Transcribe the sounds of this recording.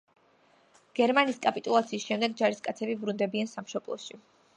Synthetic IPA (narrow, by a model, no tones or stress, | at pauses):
ɡ̥ɛɾmaniːskʼapʼit̪ʼulˠat̪sʰiːsʃɛmd̪ɛɡ̚d͡ʒaɾiskʼat̪sʰɛbibɾund̪ɛbiansamʃɔblˠɔ̰ʃi